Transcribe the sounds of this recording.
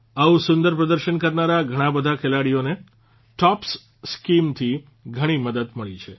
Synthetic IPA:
ausʊ̃nd̪əɾpɾəd̪əɾʃənkəɾnaɾaɡʱəɽ̃ãbəd̪ʱakʰelaɽione | ʈɔps | skimt̪ʰi | ɡʱəɽ̃iməd̪əd̪məɭit͡ʃʰe

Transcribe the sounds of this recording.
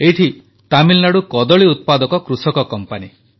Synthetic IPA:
eɦiʈʰi | t̪amilnaɽukɔd̪ɔɭiut̪̚pad̪ɔkɔkɾusɔkɔkɔmpani

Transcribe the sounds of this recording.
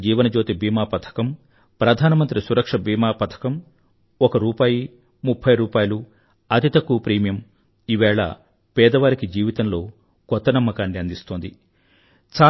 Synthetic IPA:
d͡ʒiːʋɐnɐd͡ʒo̞ːt̪ibiːmaːpɐt̪ʰɐ̥kɐm | pɾɐd̪ʱaːnɐmɐnt̪ɾisuɾɐkʂɐbiːmaːpɐt̪ʰɐ̥kɐm | ɔkɐɾuːpaːji | mupʰːɐjɾuːpaːjɐlu | ɐt̪it̪ɐkupɾiːmijɐm | iʋɛːɭɐ̰ | pɛːd̪ɐʋaːɾikid͡ʒiːʋit̪ɐnlo̞ː | kɔt̪ːɐnɐmːɐkaːɳɖiɐnd̪ist̪oːnd̪i | t͡ʃaː

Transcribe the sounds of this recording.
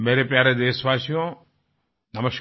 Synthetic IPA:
meːɾepjaːɾed̪eːsʋaːsijõ | d̪ɐməʃ

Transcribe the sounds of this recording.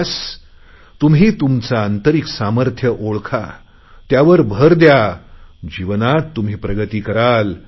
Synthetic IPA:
s | t̪umɦiːt̪umt͡saənt̪əɾiksaməɾt̪ʰjəʔoɭkʰa̰ | t̪jaʋəɾbʱəɾd̪ja | d͡ʑiʋənat̪ːum̤iːpɾəɡət̪iːkəɾal

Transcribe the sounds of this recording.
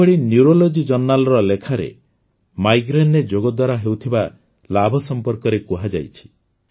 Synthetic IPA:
ɔɽinjuɾolod͡ʒid͡ʒɔnːalɔɾɔlekʰaɾḛ | majɡɾened͡ʒoɡɔd̪waɾaɦewt̪ʰiba | labʱɔsɔmpɔɾkɔɾekuɦad͡ʒa̰jt͡ʃʰi̥

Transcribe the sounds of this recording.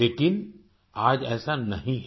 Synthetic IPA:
eːkɪn | aːd͡ʒɛːsanɐɦĩɦ

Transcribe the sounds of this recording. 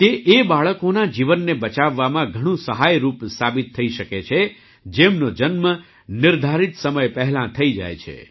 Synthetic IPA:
t̪eʔebaɭəkonad͡ʒiʋənːebət͡ʃaʋːamãɡʱəɽ̃ũsəɦajɾupsabit̪ʰːəiʃəket͡ʃʰe | d͡ʒemnod͡ʒənmə | nɪɾd̪ʱaɾit̪səməjpəɦlãt̪ʰəid͡ʒa̰jt͡ʃʰḛ

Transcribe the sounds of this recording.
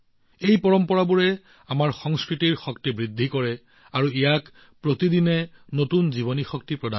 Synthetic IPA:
ejpɔɹɔmpɔɹabuɹɛ | amaɹxɔŋskɹitiɹxɔktibɹidʱːikɔɹɛ | aɹuijak | pɹotidinɛnotunziβɔnixɔk̚tipɹɔda

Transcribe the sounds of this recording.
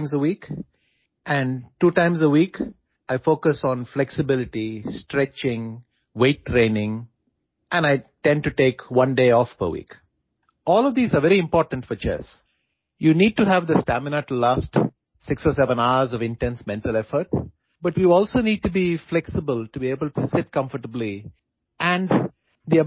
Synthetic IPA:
mzəwiːk | æ̃ɳɖʈuːʈãɪ̃mzəwiːk | ʔaɪfoːkəsɔ̃nflɛksɪbɪlɪʈisʈɾɛt͡ʃɪ̃ŋ | weɪʈːɾẽːnɪ̃ŋ | ʔɛ̃naɪʈɛ̃nɖ̚ʈuʈeːkwʌ̃nɖeːɔːfpə̰wḭːk | ɔːlɔʋd̪iːzaɾʋɛɾiɪ̃mpɔːɾʈə̃nɳfɔɾt͡ʃɛ̰s | juniːɖ̚ʈuɦæʋd̪əsʈæmɪnəʈlaːsʈ | sɪksɔːsɛʋə̃naʊəɾzɔʋɪ̃nʈɛ̃nsmɛ̃nʈəlɛfəɾʈ | bʌʈʋiɔːlsoːniːɖ̚ʈubiflɛksɪbəlʈubieːbəlʈusɪʈkʌ̃ɱfəʈəbli | ʔæ̃ɳɖ | d̪i

